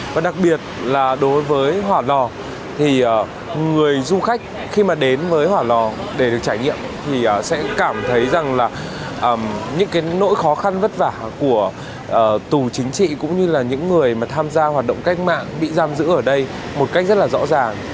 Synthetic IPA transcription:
vaː˨˩ɗa˨˩k̚ɓi˨˩ət̚laː˨˩ɗo˨˦jvəː˨˦jɦwaː˨˩lɔ˨˩ | t̪ʰi˨˩ʔəː˨˩ | ŋɨ˨˩əjzu˧xa˦˥jk̟̚ | xi˧maː˨˩ɗe˨˦nvəː˨˦jhwaː˨˩lɔ˨˩ɗe˧˩ɗɨ˨˩ək̚t͡ɕaː˧˩jɲḭ˧˨əmt̪ʰi˨˩ʔəː˨˩sɛ̰˧˥kaː˧˩mt̪ʰə˨˦jza˨˩ŋlaː˨˩ʔəː˨˩mɲɨ̰˧˥ŋkaː˨˦jno̰˧˥jxɔ˨˦xa˧nvə˦˥t̚vaː˧˩ku˧˩ə | ʔəː˨˩t̪u˨˩t͡ɕï˨˦ŋ̟t͡ɕḭ˧˨kʊ̰˧˥ŋ͡mɲɨ˧laː˨˩ɲɨ̰˧˥ŋːɨ˨˩əjmaː˨˩t̪ʰaː˧mzaː˧hwaː˨˩t̚ɗə̰˧˨wŋ͡mka˦˥k̟̚ma̰ː˧˨ŋɓḭ˧˨zaː˧mzɨ̰˧˥ʔəː˧˩ɗə˧j | mo˨˩t̚kk̚zə˦˥t̚laː˨˩zɔ̰˧˥zaː˨˩ŋ

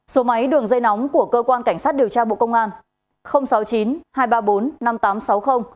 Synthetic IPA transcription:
so˨˦ma˨˦jɗɨ˨˩əŋzə˧jnɔ˨˦wŋ͡mku˧˩əkəː˧kwaː˧nka˧˩jŋ̟sa˦˥t̚ɗi˨˩əwt͡ɕaː˧ɓo̰˧˨kə˧wŋ͡mŋʔaː˧n | xə˧wŋ͡msa˨˦wt͡ɕi˨˦nhaː˧jɓaː˧ɓo˨˦nːa˧mt̪aː˨˦msa˨˦wxə˧wŋ͡m

